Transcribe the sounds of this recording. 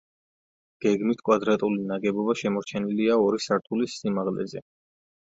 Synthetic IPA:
ɡ̥ɛɡmit̪ʰkʼwad̪ɾat̪ʼulinaɡɛbɔbaʃɛmɔɾt͡ʃʰɛniliaɔɾisaɾt̪ʰulisːimaʁlɛ̰zɛ

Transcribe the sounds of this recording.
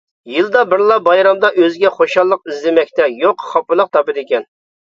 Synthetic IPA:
jɨlˠd̪ɑbɪɾlˠɑbɑjɾɑmd̪ɑʔøzɡʲɛχoʃɑlˠːəqizlɪmɛkʲt̪ɛjoqχɑpɨlˠəq̚t̪ʰɑpɨd̪ɪkʲɛn

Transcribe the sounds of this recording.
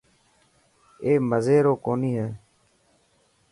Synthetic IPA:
eːməzeːɾoːkoːniːɦeː

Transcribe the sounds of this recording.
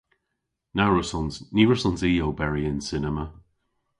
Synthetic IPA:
naɹʊsɔnzniːɹʊsɔ̃nziːowbɛɹiɪ̃nsɪnɛmə

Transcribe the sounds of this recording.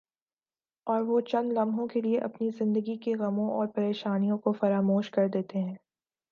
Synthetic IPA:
ɔːɾʋot͡ʃɐ̃nd̪lɐmɦõkelieʔɐpnizɪ̃nd̪əɡikeɣɐmõɔːɾpɐɾeːʃaːnijõkofɐɾaːmoːʃkɐɾd̪eːt̪eɦɛ̃ː

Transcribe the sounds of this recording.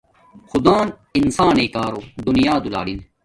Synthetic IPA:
xʊd̪aːn | insaːneːkaːɾoːd̪unijaːd̪ula̰ːɽin

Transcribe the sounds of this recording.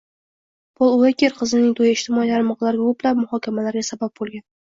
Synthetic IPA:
b̥olˠʊakʲʰeɾqʰɨzɪnɪŋt̪ʰojaɪʃt̪ʰɪmɒilʰaɾɪmɒqlˠaɾɡʲʊplapmʊhɒkʲʰamalaɾɡʲasabap̚bolˠɡʲan

